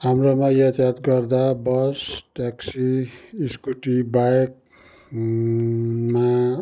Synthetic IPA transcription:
ɦamromajat̪at̪ɡʌrd̪abʌsʈaksiːskuʈibaek̚ | ma

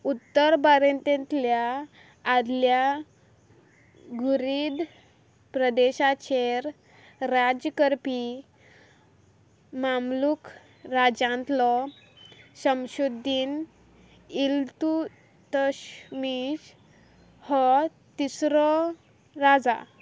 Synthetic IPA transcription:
ut̪ːəɾbaɾẽnt̪ẽnt̪ljaː | d̪lja | ɡuɾid̪ | pɾəd̪eɕat͡ɕʰeɾ | ɾad͡ʑəkəɾpi | mamluk | ɾad͡ʑãnt̪lɔ | səmɕud̪iːn | ilt̪u | t̪əɕmiɕ | hɔ | t̪isɾɔ | ɾad͡za̰

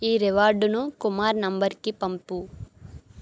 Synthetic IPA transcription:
iːɾeʋaːɾɖunukumaːɾnɐmbɐɾkipɐmpu

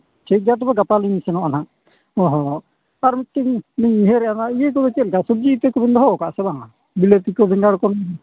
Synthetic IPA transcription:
t͡ʃʰejt̚d͡ʒat̪̬ɔbɛɡapalinisɛnɔʔana | ɔɦɔ | aɾmit̚k̪ːiŋniɲiɦeɾɛanaijek̬ɔbɛkɛt̪̚lkasɔb̚d͡ʒit̪ɛkɔbɛnd̪ɔɦɔkaʔsɛbaŋa | bilet̪ikɔbɛŋɡaɽkɔnɔ

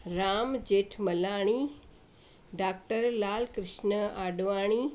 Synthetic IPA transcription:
ɾaːmd͡ʑeːʈʰmɐlaːɽ̃i | ɖaːk̚ʈəɾlaːlkɾɪʃnəaːɖʋaːɽ̃iː

